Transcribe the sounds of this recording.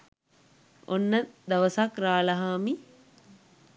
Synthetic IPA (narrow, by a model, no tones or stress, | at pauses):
o̰nːəd̪ɐʋəsakraːlɐɦaːmi